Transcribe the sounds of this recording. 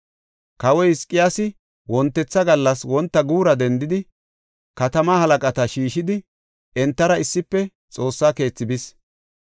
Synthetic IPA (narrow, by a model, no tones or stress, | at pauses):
kɐwɔjhɪskʼːɪjaːsɪ | wɔnt̪ːɛt͡sːɐɡɐlːɐswɔnt̪ːɐɡuːɾɐd̪ɛnd̪ɪd̪ɪ | kɐt̪ɐmahɐlɐkʼɐt̪ɐʃiːʃɪd̪ɪ | ɛnt̪ːɐɾɐɪsːɪpːɛ | t͡sʼo̞ːsːaːke̞ːt͡sːɪbɪs